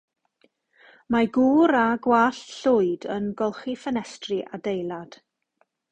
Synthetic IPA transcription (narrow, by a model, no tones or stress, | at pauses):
maɡuːɾaɡwaɬɬʊɨdənɡɔlˠχifənɛstrɨʔadejlˠad̥